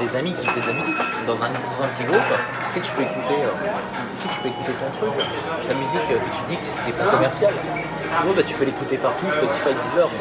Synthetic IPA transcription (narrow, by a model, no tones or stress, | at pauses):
d̪ezamikʲivt̪ɛd̪lamyzik | d̪ɑ̃zɛ̃d̪ɑ̃zɛ̃pət̪iɡot̪ | sɛkəʒə̥pøekut̪eø | sɛkəʒ̥əpøekut̪et̪ɔ̃t̪χyk | t̪amyzikøet̪ʰyd̪ikst̪ɛplɛ̃kɔmɛʁsjal | wabat̪y̥pølekut̪epaʁt̪uʒə̥pøt̪i̥fɛd̪izœʁ